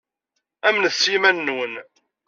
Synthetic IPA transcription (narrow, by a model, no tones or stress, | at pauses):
æmnθsːimænːwən